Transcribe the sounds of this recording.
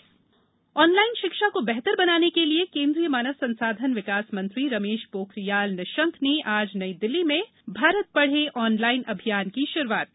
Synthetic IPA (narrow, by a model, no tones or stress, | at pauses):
ɔːnlaːɪnʃɪkʃakobɛɦt̪əɾbɐnaːnekeliekẽːnd̪ɾijəmaːnəʋsɐ̃nsaːd̪ʱənʋɪkaːsmɐ̃nt̪ɾiɾɐmeːʃpoːkɾijaːlnɐʃə̃ŋkʰneʔaːd͡ʒnɐid̪ɪlːimẽ | bʱaːɾət̪̚pɐɽ̤eʔɔːnlaːɪnʔɐbʱijaːnkiʃʊɾuwaːt̪̚